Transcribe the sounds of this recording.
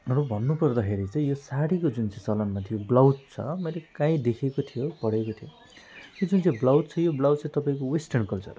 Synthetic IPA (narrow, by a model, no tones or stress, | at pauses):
rʌbʱʌnːupʌrd̪ʌkʰeɾit͡saĩjosaɽikod͡zunt͡saj̃sʌlʌnmat̪ʰijoblawd̪̚t͡sʰʌ̰mʌjlekãĩd̪ekʰekot̪ʰijopʌɽekot̪ʰijo | jod͡zunt͡saĩblawd̪̚t͡sʰʌjoblawdt͡sʰãj̃t̪ʌpaĩkowesʈʌrnkʌlt͡sʌ̰r